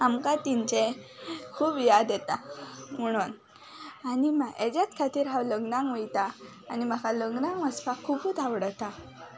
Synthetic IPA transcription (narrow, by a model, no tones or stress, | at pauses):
amkat̪iɲt͡ɕekʰuːbjad̪ɛt̪am̤əɽ̃un | animaʔed͡ʑjat͡skʰat̪iːɾɦãwləɡnaŋɡʋəjt̪aː | nimakaləɡnaŋɡʋəspakʰubut̪aʋɽət̪a